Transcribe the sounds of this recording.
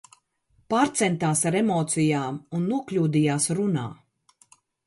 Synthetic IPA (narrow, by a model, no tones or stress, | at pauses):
paːɾt̪sɛnt̪aːsaɾɛmoːt̪sijaːmunːuɔklʲuːd̪ijaːsɾuna̰ː